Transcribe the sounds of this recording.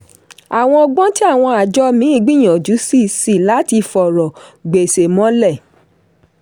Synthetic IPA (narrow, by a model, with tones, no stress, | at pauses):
a˨w̃ɔ̃˧ɔ˧ɡ͡bɔ̃˦ti˦a˦˨w̃ɔ̃˧a˨d͡ʒɔ˦mĩ˨˦i˦˨ɡ͡bi˦˨j̃ɔ̃˨d͡ʒu˨˦si˦˨si˦˨la˨˦ti˧fɔ˨ɾɔ˨ɡ͡be˨se˨mɔ̃˨˦lɛ˦˨